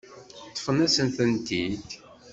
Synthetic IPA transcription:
t̪ˤːfənæsənθənt̪id̪

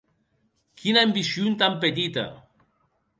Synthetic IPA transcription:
kʰinaembisjunt̪amp̬et̪̬it̪a̰

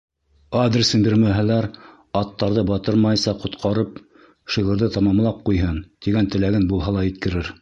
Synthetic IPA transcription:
ad̪ɾʲɪsɘmbiɾmæɦælæɾ | ɑt̪ːɑɾðɤbɑt̪ɤɾmɑjsɑqŏt̪qʰɑɾɤp | ʃiʁɤ̆ɾðɤt̪ɑmɑmlˠɑp̚qujɦɤnt̪iɡænt̪ɘ̆læɡɘnbulˠɦɑlˠɑjɘ̆t̪̚kɘ̆ɾɘɾ

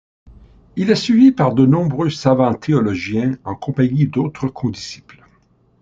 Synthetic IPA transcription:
ilɛsɥivipaʁd̪ənɔ̃bʁøsavɑ̃t̪ʰeɔlɔʒjɛ̃ɑ̃kɔ̃paɲid̪ot̪χəkʰɔ̃d̪isi̥pl

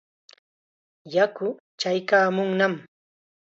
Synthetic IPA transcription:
jakʊ | t͡ʃajkaːmʊŋnam

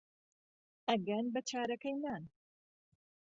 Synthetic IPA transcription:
ɐɡɐnbɐt͡ʃʰaːɾɐkɐjnaːn

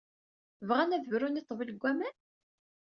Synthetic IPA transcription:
vʁænæðvɾunit̪ˤːvilɡʷːæmæn

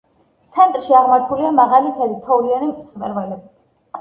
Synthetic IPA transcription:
t̪sʰɛnt̪ʼɾʃiaʁmaɾt̪ʰuliamaʁalit̪ʰɛlit̪ʰɔvlianimʼt̪sʼmɛ̰ɾvɛlɛbit̪ʰ

